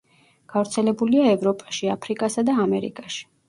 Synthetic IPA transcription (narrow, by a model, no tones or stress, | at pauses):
ɡ̥avɾt̪sʰɛlɛbuliaɛvɾɔpʼaʃiapʰɾikʼasad̪aːmɛɾḭkʼaʃi̥